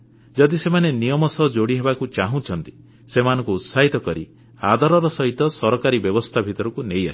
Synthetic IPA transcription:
d͡ʒɔd̪isemanenijɔmɔsɔɦɔd͡ʒoɽiɦebakut͡ʃaɦũt͡ʃʰɔnt̪i̥ | semanɔ̃ŋkuːt̪saɦit̪ɔkɔɾi | ad̪ʱaɾɔɾɔsɔɦit̪ɔsɔɾɔkaɾibjɔbɔst̪ʰabʱit̪ɔɾɔkunejasʰi̥

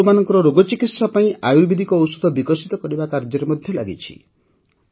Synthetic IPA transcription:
manɔŋkɔɾɔɾoɡɔt͡ʃikit̪sapaĩʔajubid̪ʱikɔːwsu̥d̪ʱɔbikɔsit̪ɔkɔɾibakaɾd͡ʒɔɾemɔd̪ʱjɔla̰ɡit͡ʃʰḭ

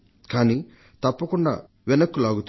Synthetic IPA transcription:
kaːniː | t̪ɐpːɐkuɳɖa̰ː | ʋinɐkːulaːɡut̪

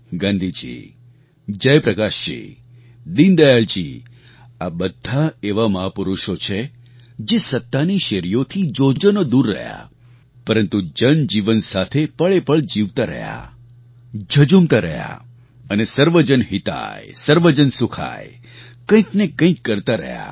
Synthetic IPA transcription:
ɡãnd̪ʱid͡ʒḭ | d͡ʒəjpɾəkaʃt͡ʃḭ | d̪ind̪əjaɭt͡ʃḭ | abəd̪ʱːaeʋaməɦapuɾuʃot͡ʃʰe | d͡ʒesət̪ːaniʃeɾijot̪ʰid͡ʒod͡ʒənod̪uɾːə̰ɦja̰ | pəɾənt̪ud͡ʒənd͡ʒiʋənsat̪ʰepəɭepəɭd͡ʒiʋt̪aɾə̰ɦja̰ | d͡ʒʱəd͡ʒumt̪aɾə̰ja̰ | ənesəɾʋəd͡ʒənɦit̪a̰jsəɾʋəd͡ʒənsukʰa̰j | kə̃ĩknekə̃ĩkːəɾt̪aɾə̰ɦja̰

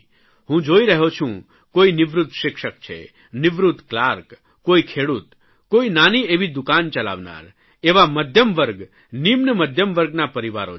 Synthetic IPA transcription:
ɦũd͡ʒoiɾəɦot͡ʃʰũ | koinɪʋɾut̪ːʃɪkʃək̚t͡ʃʰḛ | nɪʋɾut̪ːklaɾk | koikʰeɽut̪ | koinanieʋid̪ukant͡ʃəla̰ʋna̰ɾ | eʋaməd̪ʱjəmʋəɾɡ | nimnəməd̪ʱjəmʋəɾɡnapəɾiʋa̰ɾo̰

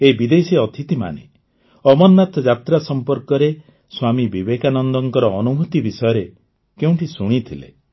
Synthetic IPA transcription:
ebid̪esiɔt̪ʰit̪ima̰nḛ | ɔmɔnːat̪d͡ʒat̪ɾasɔmpɔɾkɔɾe | swamibibekanɔnd̪ɔŋkɔɾɔːnumut̪ibisɔjɔɾe | keũʈʰisuɽ̃it̪ʰilḛ

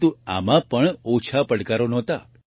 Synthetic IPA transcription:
t̪ua̰mãpəɳot͡ʃʰapəɽkaɾonɔt̪a̰

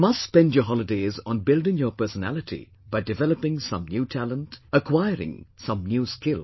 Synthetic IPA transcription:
mʌstspɛ̃ndjəɦɑlˠɪdeɪzɔ̃n̩bɪldɪ̃ŋjəpɜ˞sənæ̰lɪtʰḭ | baɪdɨvɛləpɪ̃ŋsʌ̰̃mnjuːtʰælə̃ntəkʰwaɪəɾɪ̰̃ŋsʌ̃mnjuːskɪlˠ

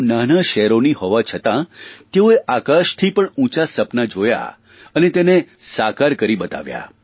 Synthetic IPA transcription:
nanaʃɛɾonihɔʋat͡ʃʰət̪ãt̪eoeʔakaʃt̪ʰipəɳũt͡ʃasəpnad͡ʒoja̰ | ənet̪enesakaɾkəɾibət̪a̰ʋja̰

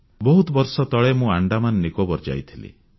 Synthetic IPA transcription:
bɔɦut̪bɔɾsɔt̪ɔɭemũaɳɖamanːikobɔɾd͡ʒa̰jt̪ʰilḭ

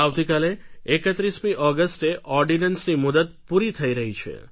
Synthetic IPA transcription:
aʋt̪ikaleːkət̪ɾismiʔɔɡəsʈeʔɔɾɖinənsnimʊd̪ət̪̚puɾit̪ʰəiɾəɦit͡ʃʰḛ

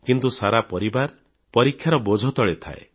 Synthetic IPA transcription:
kint̪usaɾapɔɾibaɾ | pɔɾikʰːjaɾɔbod͡ʒʱɔt̪ɔɭet̪ʰa̰ḛ

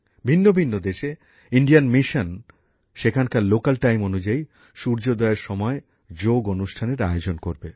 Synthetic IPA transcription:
bʱinːobʱinːod̪eʃe | iɳɖijanmiʃan | ʃekʰankaɾlokalʈajmonud͡ʑai | ʃuɾd͡ʑod̪ɔeɾʃɔmɔe | d͡ʑoɡonuʃʈʰaneɾa̰jod͡ʑonkoɾbe

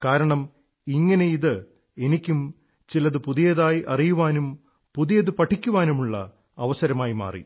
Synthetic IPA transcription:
kaːɾɐɳɐm | iŋːɐne̞iðɨ | e̞nikʲːum | t͡ɕilɐðɨpuðijɐðaːjiʔɐrijuʋaːnum | puðijɐðɨpɐʈʰːikʲːuʋaːnumuɭːɐ̰ | ɐʋɐsɐɾɐmaːjima̰ːrḭ

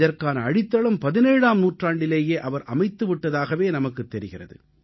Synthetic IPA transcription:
ðɐrkaːnɐːɽɪt̪ːɐɭɐmpɐðɪneːɻaːmnuːʈraːɳɖɪleːjeːʔɐʋɐɾʔɐmɐɪt̪ːɯʋɪʈːɐðaːɣɐʋeːnɐmɐkːɯt̪ːɛɾɪɣɪrɐ̰ðɯ̰

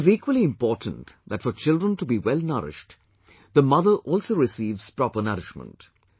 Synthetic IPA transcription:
ɪɪziːkwəliɪ̃mpɔːʈʰə̃n̩tðætfɔɾt͡ʃɪldɹə̃nʈubiwɛlnʌ̰ɾɪ̰ʃʈ | d̪əmʌðəʔɔlsoːɾɪsiːvz̥pɾɔpənʌɾɪʃmə̰̃nt

